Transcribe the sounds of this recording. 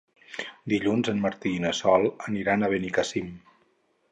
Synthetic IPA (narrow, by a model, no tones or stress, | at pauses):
d̪iʎunzənməɾt̪iːnəsɔlˠəniɾanəβenikasim